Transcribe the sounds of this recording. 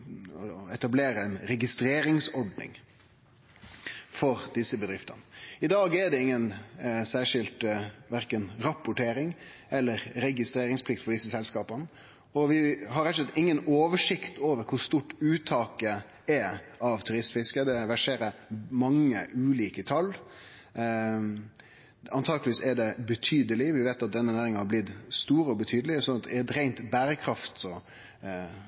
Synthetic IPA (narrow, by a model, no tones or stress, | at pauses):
ɛt̪ɑbleːɾəɛnɾɛɡɪst̪ɾeːɾɪŋsɔɖnɪ̰ŋ | fɔɾd̪ɪsːəbəd̪ɾɪft̪ənəɪd̪ɑːɡɛɖɛɪŋːənsæːʂɪlt̪ʋæɾkənɾɑpːʊʈʰeːɾɪŋ | ɛlːəɾɾɛɡɪst̪ɾeːɾɪŋspʰlɪkt̪fɔɖɪsəsɛlskɑːpən | ɔʋɪɦɑɾɛt̪ːslɛt̪ɪŋːənoːʋəʂɪkt̪ʰoːʋəɾkʰʊst̪uːʈːʉːt̪ʰɑːkə | ɛɑʋt̪ʰʉɾɪst̪fɪskəd̪ɛʋæʂeːɾəmɑŋːəʔʉːliːkət̪ʰɑlː | ɑnt̪ʰɑːɡlɪʋiːsɛd̪ɛbət̪ʰyːd̪əlɪʋɪʋeːt̪ɑt̪̚d̪ɛnːənæːɾɪŋɑhɑblɪd̪st̪uːɾəɔbət̪ʰyːd̪əlɪəsɔnɑt̪ɛd̪ɾæɪnt̪bæːɾəkʰɾɑft̪sɔ